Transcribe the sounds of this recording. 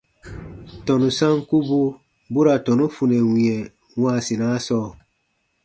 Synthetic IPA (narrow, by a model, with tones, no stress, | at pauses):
tɔ˨nũ˨sã˦ŋku˦bu˦ | bu˦ɾa˨tɔ˨nu˦fu˨nɛ˨wĩ˨ɛ˨ | wãː˦˨si˨na˨˦sɔː˦˨